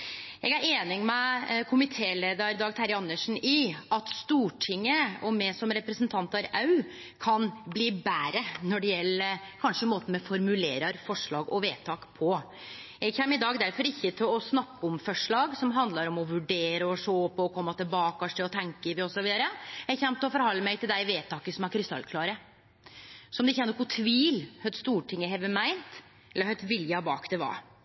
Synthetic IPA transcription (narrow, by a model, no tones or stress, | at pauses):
ɛɡæɾeːnɪŋmɛkʰʊmɪt̪ʰeːleːd̪ɑɾd̪ɑːɡt̪ʰæɾɪɑnːəʂn̩ɪɑt̪st̪uːʈʰɪŋːəɔmɛsɔmɾɛpɾəsənt̪ʰɑnt̪ɑɾɑʉ | kʰɑnbliːbæːɾənɔɖɛjɛlːəkʰɑnʂəmoːt̪nmɛfɔɾmʉleːɾɑɾfɔʂɭɑ̰ːɡɔʋeːt̪ʰɑːkpʰɔ | ɛɡçɛmːɪd̪ɑːɡd̪æɾfɔɾɪçːət̪ʰɪlɔsnɑkːəɔmfœʂɭɑːɡsɔmɦɑnd̪lɑɾɔmɔʋʉɖeːɾəɔʂoːpɔɔkʰɔmːɑt̪ʰɪlbɑːkɑʂɛɔt̪ʰɛŋkəɾʋɪɔsɔʋiːd̪ɑɾəɛçɛmt̪ʰːlɔfɔɾhɑlːəmæɪt̪ʰɪld̪æɪʋeːt̪ʰɑːkəsɔmæɾkʰɾɪst̪ɑ̰lːkʰlɑːɾə | sɔmd̪ɛɪçːɛnɔkːɔt̪ʰʋiːlhœt̪st̪uːʈʰɪŋːəɦɛʋəmæɪnt̪ | ɛlːəɾhœt̪ːʋɪljəbɑ̰ːkd̪ɛʋɑ̰ːɾ